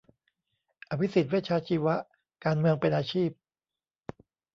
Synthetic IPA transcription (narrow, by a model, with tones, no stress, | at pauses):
ʔa˧˩pʰi˦˥si˨˩t̪̚weː˥˩t̚t͡ɕʰaː˧˥t͡ɕʰiː˧wa˦˥ʔ | kaː˧nmɯ˧əŋpe˧nʔaː˧t͡ɕʰiː˥˩p̚